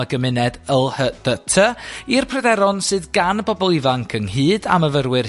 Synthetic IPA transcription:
əɡəmɪnɛdəlˠhəd̥ətʰəirpʰrədɛɾɔnsɨːðɡanəbɔbɔlˠivaŋkʰəŋhɨːda̰məvərwɪr

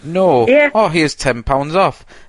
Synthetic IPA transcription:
noːjɛoːɦiɪz̥tʰɛ̃npʰãw̃ndzɔf

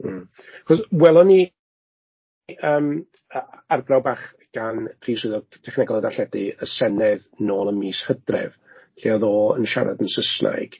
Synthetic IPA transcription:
m̩ː | aχɔswɛlˠɔni | əːm | əarbrawbaχ | ɡ̥anpʰriːswɨðɔtʰɛχnɛɡɔlˠədaɬɛdɨəsɛnɛðnoːlˠənmiːshədrɛ̰vɬiɔðoːənʃa̰ɾʔa̰dənsəsna̰jɡ̥

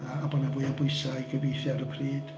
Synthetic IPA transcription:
aːbɔnavuɨjabʊɨsaiɡəvejθjaɾəpʰriːd̥

